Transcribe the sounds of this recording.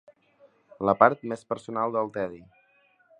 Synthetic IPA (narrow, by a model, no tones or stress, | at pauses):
ləpaɾt̪mespəɾsunalˠd̪əlˠt̪ɛði